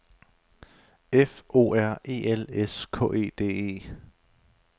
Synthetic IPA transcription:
efʔo̝̰ːæɐ̰e̝̰ːeleskʰɔ̰̽ːʔe̝̰ːd̥e̝̰ːe̝̰ː

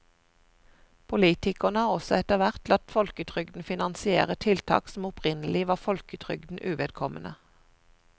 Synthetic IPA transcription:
pʰʊliːt̪ɪkənəhɑːʁɔsɔɛt̪əʋæʁt̪lɑt̪fɔlkət̪ʰʁʏɡd̪n̩fɪnɑnsɪḛːʁət̪ʰɪlt̪ʰɑ̰ːksm̩ʊpʁɪnəlɪʋɑːfɔlkət̪ʰʁʏ̰ɡd̪n̩ʔʉːʋeːd̪̚kʰɔmənə

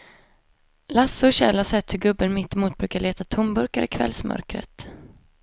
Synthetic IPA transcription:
lasːɔɕɛlhaʂɛt̪ːhɵɡɵbːənmɪt̪ːɪmuːt̪̚bɾʉ̟ːkaɭeːt̪at̪ʰɔmbɵɾkaɾʔɪkʰvɛ̰lsmœ̰ɾkɾə̰t̪

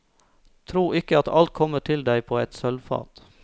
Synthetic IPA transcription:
t̪ʰɾuːʔɪkəɑt̪ɑlt̪̚kʰɔməʈʰɪld̪æɪpʰoːɛt̪sœlfɑ̰ːt̪

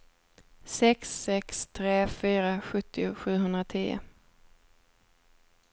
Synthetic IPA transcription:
sɛksːɛkst̪ʰɾeːfyːɾaɧɵt̪ʰːɪʊɧʉ̟ːɦɵnd̪ɾat̪ʰiːʊ̰

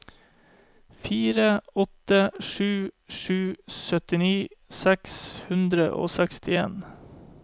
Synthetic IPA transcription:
fiːɾəɔt̪əʂʉːʃʉːsœt̪ɪniːsɛkshʉnd̪ɾəʔo̰ːsɛkst̪ʰɪḛːn

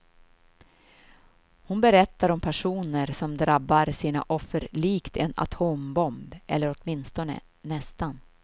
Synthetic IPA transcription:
hʊnbɛɾɛt̪ːaɾɔmpʰæʂuːnəɾsɔmd̪ɾabːaɾsiːna̰ʔɔfːəɾɭiːkt̪ɛna̰t̪ʰoːmbɔmbɛ̰lːəɾɔt̪mɪnst̪ɔnə̰ | nɛst̪an

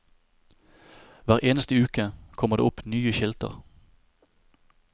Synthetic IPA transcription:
ʋæːʁʔeːnəst̪əʉːkəkʰɔməʁd̪ḛːʊpnyːəçɪlt̪ə̰ʁ

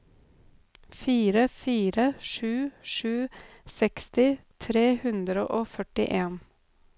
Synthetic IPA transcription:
fiːɾəfiːɾəʃʉːʃʉːsɛkst̪ɪt̪ʰɾeːhʉnd̪ɾəʔoːfœʈɪ̰ʔeːn

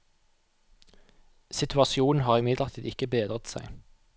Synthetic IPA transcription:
sɪt̪ʰʉɑsɪuːn̩hɑːʁɪmɪd̪ləʁt̪ʰiːɪkəbeːd̪ʁət̪sæ̰ɪ

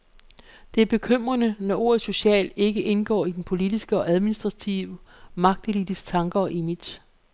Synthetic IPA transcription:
d̥e̝æɐb̥e̝kʰøm̰ʁɐnənɒ̽ʔo̝ɐ̰ð̩ˠso̝ɕɛ̰ːle̝ɡ̥əʔe̝nɡ̥ɒ̰ːid̥enpʰo̝lid̥isɡ̥əɒ̽ʔæð̞ˠminisd̥ʁɑ̈t͡sʰiʊəmɑ̈ɡ̥̚d̥e̝lid̥isɡ̥t͡sʰɑ̈ŋɡ̥ɐɒ̽ʔemid̥ɕ

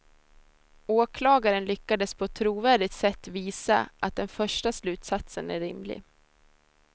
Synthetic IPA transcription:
oːkʰlɑːɡaɾənlʏkːad̪əspʰɔt̪ʰɾuːvæːɖɪt̪sɛt̪ːviːsa̰ʔat̪̚d̪ɛnfœʂʈaslʉ̟ːt̪sat̪sənæ̰ɾːɪ̰mlɪ̰

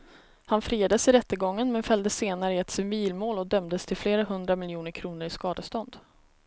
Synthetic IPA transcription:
hanfɾiːad̪əsɪɾɛt̪ːəɡɔŋːənmɛnfœld̪əseːnaɾəəɛt̪sɪmiːlmoːlɔd̪œmd̪əst̪ʰɪlfleːɾaɦɵnd̪ɾamɪljuːnəɾkʰɾuːnəɾɪskɑːd̪əst̪ɔnd̪

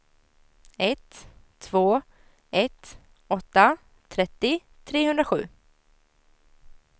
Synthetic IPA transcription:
ɛt̪ʰː | voː | ɛt̪ | ɔt̪ːa | t̪ʰɾɛt̪ːɪ | t̪ʰɾeːɦɵnd̪ɾaɧʉ̟̰ː

